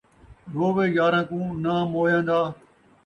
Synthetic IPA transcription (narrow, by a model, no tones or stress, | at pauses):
d̪ʱoːʋeːjaːɾãːkũːnaːmoːjãːnd̪aː